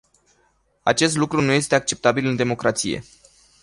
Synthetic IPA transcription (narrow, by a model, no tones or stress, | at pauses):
a̰t͡ʃe̞s̬t̪lukɾunuje̞st̪e̞ak̚t͡ʃe̞p̚t̪abilɨnd̪e̞mo̞kɾat̪sḭje̞̰